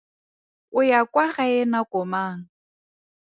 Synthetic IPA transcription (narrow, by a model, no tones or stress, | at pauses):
ʊjakʼwaχaɛnakɔmaːŋ̩